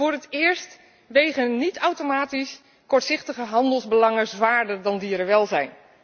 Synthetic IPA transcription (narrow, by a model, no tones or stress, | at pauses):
ʊːɹətɪːɹst | ʋejχənːitawtomaːtis | kɔɹtsɪχtəχəɦɑndəlˠzbəlɑŋəzʋaːɹdəɹdɑndiːɾəʋɛlˠzɛjn